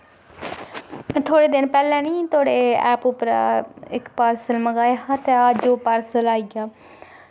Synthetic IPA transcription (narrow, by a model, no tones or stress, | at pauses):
t̪ʰoːɽeːd̪ɪnpɛːlɛ̃ːnĩːt̪oːɽeɛ̰ːpʊpəɾa̰ɪkpaːɾsəlməɡaːjaɦãt̪eːaːd͡ʒoːpaːɾsəlaːiɡaː